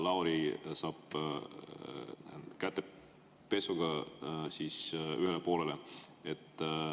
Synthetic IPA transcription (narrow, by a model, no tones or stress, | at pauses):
lɑwɾisɑːb̥ | kæt̪ːe̞ | pe̞suɡ̥ɑsiːsyɦe̞lepo̞ːleleet̪ːˑ